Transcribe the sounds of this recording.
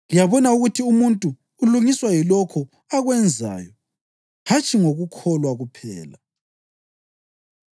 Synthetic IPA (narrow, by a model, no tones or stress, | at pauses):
lijaβɔnauɣutʰiumuntʼuː | luŋiswajilɔkʰɔ | aɣwɛnd͡zʱa̰ːjɔ | hat͡ʃʼiŋoɣukʰɔlwaɣupʰɛ̰ːla̰